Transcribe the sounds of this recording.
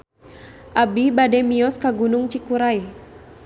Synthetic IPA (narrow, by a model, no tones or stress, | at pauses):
ʔabibadɛmiɔskaɡunuŋt͡ʃikuɾaj